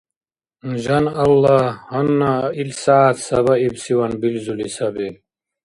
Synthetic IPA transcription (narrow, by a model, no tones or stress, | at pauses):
nʑɐnɐlːahɐnːailsaːt̪sɐβɐibsiwɐnbilzulisɐbel